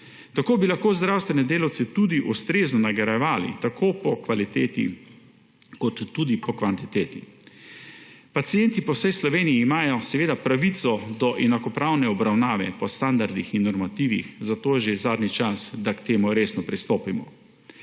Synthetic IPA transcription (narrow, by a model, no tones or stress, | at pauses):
t̪akoːbilaxkoːzd̪ɾawst̪ʋɛnɛd̪eːlawt̪sɛt̪ud̪iʔust̪ɾeːznɔnaɡɛɾɛʋaːlḭt̪akoːpɔkʋalit̪eːt̪ḭ | kɔt̪ːud̪ipɔkʋant̪it̪eːt̪ḭ | pat̪sijɛnt̪ipɔwsɛjslɔʋeːnijiːmaːjɔsɛʋeːd̪apɾaʋit̪sɔd̪ɔʔɛnakɔpɾawnɛɔbɾawnaːʋɛ̰pɔst̪and̪aɾd̪ixinːɔɾmat̪iːʋḭxzat̪oːjɛʒezaːd̪nit͡ʃasd̪akt̪eːmuɾeːsnɔpɾist̪oːpimɔ̰